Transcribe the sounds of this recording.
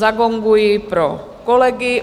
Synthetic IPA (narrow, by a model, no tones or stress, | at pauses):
aɡɔŋɡujiːpɾɔ̰ | kɔlɛɡi